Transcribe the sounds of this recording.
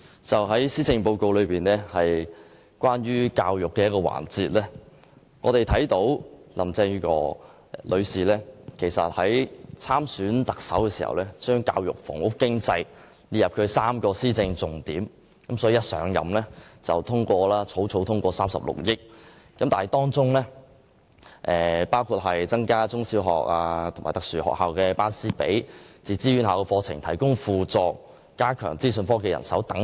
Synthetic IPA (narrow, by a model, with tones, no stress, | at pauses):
t͡sɐ˨wɦɐ˨˥jsiː˥t͡sɪ˧ŋpo˧wko˧wlɵ˨˧ɥpiː˨nɛː˥hɐ˨j | kʷaː˥nɥyː˥kaː˧wjʊ˨kːɛː˧jɐ˥t̚kɔː˧wa̰ː˨˩nt͡siː˨t̚lɛː˥ | ŋʔɔː˨˧ɾe˨jt̪ʰɐ˨˥jt̪o˨˥wlɐ˨˩mt͡sɛː˧ŋy˥kɔ̰ː˧ | lʔɵ˨˧ɥsiː˨lɛː˥kʰe˨˩jsɐ̰˨t̚hɐ˨˥jt͡sʰaː˥msyː˨˥nt̪ɐ˨k̚sɐ˨˥wkɛː˧siː˨˩hɐ̰˨wlɛː˥t͡ʃœː˥ŋka̰ː˧wjʊ̰˨˩k̚fɔː˨˩ŋwʊ˥kːɪ˥ŋt͡sɐ˧j | li˨˩jɐ˨p̚kʰɵ˨˧ɥsaː˥mkɔː˧siː˥t͡sɪ˧ŋt͡sʊ˨˩ŋt̪iː˨˥m | kɐ˨˥msɔː˨˥i˨˧jɐ˥t̚sœ̰ː˨˥ŋjɐ̰˨˩mlɛː˥t͡sɐ˨wt̪ʰʊ˥ŋkʷɔː˧laː˥t͡sʰo˨˥wt͡sʰo˨˧˥wt̪ʰʊ˥ŋkʷɔː˧saː˥msɐ˨˩p̚lʊ̰˨k̚jɪ˥k̚ː | ɐ˨˥mt̪aː˨n˨jt̪ɔː˥ŋt͡sʊ˥ŋlɛː˥ | ʔɛː˨˩paː˥wkʰuː˧t̚ɦɐ˨jt͡sɐ˥ŋkaː˥t͡sʊ˥ŋsiː˨˥wɦɔ̰ː˨k̚aː˧t̪ʰʊ˨˩maː˨˩jt̪ɐ˨k̚syː˨˩hɔ̰ː˨˩khaː˨wkɛː˧paː˥nsiː˥pḛ˨˥jt͡siː˨˩t͡siː˥ɥy˨˥nɦaː˨wkɛː˧fɔː˧t͡sʰɪ̰˨˩ŋt̪ʰɐ˨˩jkʊ˥ŋfuː˨˧t͡sɔː˧k̚ː | aː˥kʰœ̰ː˨˩ŋt͡siː˥s̬ɵ˧nfɔː˥ke˨˧jɐ̰˨˩nsɐ˨˥wt̪ɐ˨˥ŋ